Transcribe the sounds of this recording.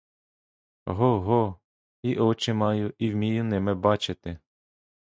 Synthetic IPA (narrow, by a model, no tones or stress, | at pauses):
ɦɔɦɔ | iʔɔt͡ʃɪmɑjʊʔiwmʲijʊnɪmɛbɑt͡ʃɪt̪ɪ